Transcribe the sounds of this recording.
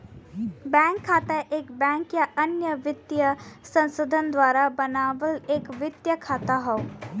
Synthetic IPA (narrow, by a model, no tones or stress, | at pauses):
bɛ̃ŋkʰːaːt̪aʔeːkbɛ̃ːŋkjaʔənjəʋɪt̪jəsɐ̃nsod̪ʱənd̪ʋaːɾabənaːʋəleːkʋɪt̪jəkʰaːt̪aɦɔ